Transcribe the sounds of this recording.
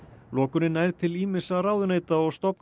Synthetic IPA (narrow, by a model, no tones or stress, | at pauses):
lɔːkʏnɪnajɾt̪ʰɪliːmɪsaraːwðʏneːjt̪aɔɣst̪ɔpn